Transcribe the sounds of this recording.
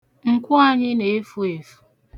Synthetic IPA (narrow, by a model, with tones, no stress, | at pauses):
ŋ̩˨kʷʊ˦a˨ɲɪ˦ne˨e˦fu˦e˨fu̥˨